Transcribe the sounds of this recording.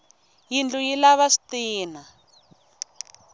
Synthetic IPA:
jind͡ɮujilaβasi̥tiːna

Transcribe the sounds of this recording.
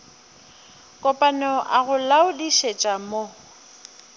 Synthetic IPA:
kʼɔpʼanɔʔaɣʊlaʊdiʃet͡ʃʼamo

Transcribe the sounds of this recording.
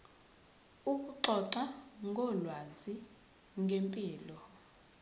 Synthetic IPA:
uk̬uǃɔǀaŋɡʱɔlwazi | ŋʱempʼiːlɔ

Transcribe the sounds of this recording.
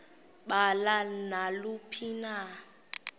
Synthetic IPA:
ɓalanalupʰina

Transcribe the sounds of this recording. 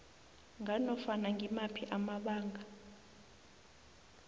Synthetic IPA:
ŋanɔfanaŋɡʱimapʰiʔamaɓaːŋʱa

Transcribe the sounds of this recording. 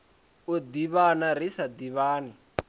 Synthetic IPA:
od̪iβanaɾisad̪iβaːni

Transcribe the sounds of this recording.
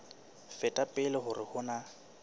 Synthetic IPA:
fɛtʼapʼɪlɪhʊrɪhʊna

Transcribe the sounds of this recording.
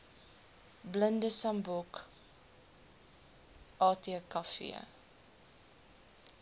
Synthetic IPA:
bləndəsɐmbɔk | ʔɑːtiəkɐfḭə̰

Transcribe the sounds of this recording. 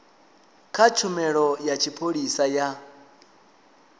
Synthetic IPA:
kʰat͡ʃʰumɛɺɔjat͡ʃʰipʰoɺisaja

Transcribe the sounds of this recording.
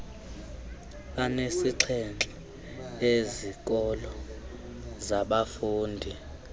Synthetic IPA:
anesiǀʰɛnt͡ɬʼɛ | ezik̬ʼɔlɔ | zaɓafuːndʱi

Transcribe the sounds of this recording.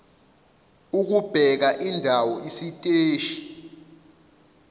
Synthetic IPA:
uk̬ub̥ʱɛk̬aʔindʱawɔisitʼeːʃi̥

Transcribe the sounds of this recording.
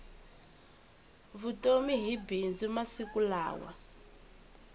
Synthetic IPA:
βutomiɦibind͡zumasikula̰ːwa̰

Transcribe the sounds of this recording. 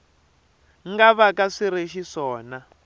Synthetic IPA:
ŋɡaβakaʂiɾeʃiʂɔːna

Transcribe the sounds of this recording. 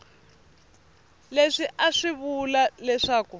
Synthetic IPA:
leʂiʔaʂiβulalɛʂaːku

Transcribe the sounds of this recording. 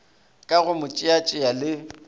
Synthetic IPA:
kʼaɣʊmʊt͡ʃʼɪat͡ʃʼɪjalɪ

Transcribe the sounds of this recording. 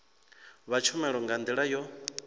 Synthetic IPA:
βat͡ʃʰumɛɺɔŋɡand̪iɺajɔ

